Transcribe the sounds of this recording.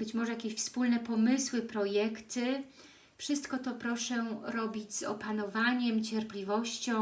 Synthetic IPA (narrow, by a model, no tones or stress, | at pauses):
b̥ɘt͡ɕmɔʐɛjakʲeɕfspulnɛpɔmɘswɘpɾɔjɛkt̪ɘ | fʂɘst̪kɔt̪ɔpɾɔʂɛɾɔbʲid͡ʑzɔ̰panɔvaɲɛmt͡ɕɛɾplʲivɔɕt͡ɕɔ̃